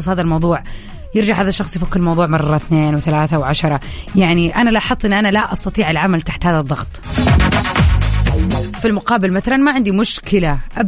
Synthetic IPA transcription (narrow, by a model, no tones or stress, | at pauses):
uːsˤhaːðalmɑwðˤuːʕ | jɪɾd͡ʒaʕhaːðaʃːɑxsˤjfakːɪlmɑwðˤuːʕmɑrˤːɑθneːnwθalaːθawʕaʃɑɾˤɑjaʕniʔanalʔħɑðˤʔɪnːʔanalaʔɑst̪ɑt̪ˤiːʕɪlʕamalt̪aħt̪haːðaðˤːɑɣt̪ˤ | filmʊqɑːbɪlmaθalanmaʕɪnd̪imʊʃkɪlaʔab